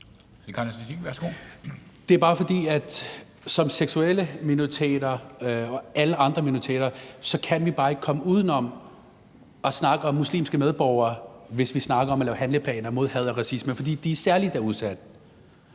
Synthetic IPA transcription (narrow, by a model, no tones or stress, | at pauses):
ekʰɑnsʰiæsɡ̥o̰d̥e̝æɐb̥ɑ̈ːfɒ̽d̥ḭːæd̥ | sɒ̽mseɡ̥sueləminot͡sʰḛːd̥ɐɒ̽æləɑ̈nd̥ʁɐminot͡sʰḛːɾɐsɒ̽kʰænʋib̥ɑ̈ːe̝ɡ̥̚kʰɒ̽məuːð̞ˠn̩ɒ̽m | ʔɒ̽snɑ̈ɡ̥əɒ̽mːuslḭːmsɡ̥əmeð̞ˠb̥ɒʊɐːʋe̝sʋisnɑ̈ɡ̥ɐɒ̽mɒlɛːʊɦænləpʰlɛ̰ːnɐmo̝ð̞̰ˠhɛð̞̰ˠɒ̽ʁɑ̈sisməfɒ̽d̥ḭːd̥iæɐsæɐlid̥æɐuðˠsæd̥